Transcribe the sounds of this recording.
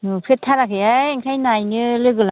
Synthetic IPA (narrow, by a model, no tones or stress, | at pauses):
ɯpʰetʰːaɾakʰɯjajŋkʰajnajnɯlɯɡɯla